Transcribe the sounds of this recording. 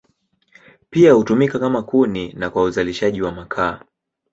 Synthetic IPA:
piahutumikakamakuninakwauzaliʃaʄiwamakʰaː

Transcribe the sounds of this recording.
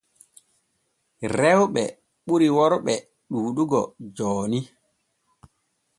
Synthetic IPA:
rɛwɓɛ | ɓuɾiwɔɾɓɛ | ɗuːɗuɡɔ̰d͡ʒɔːni

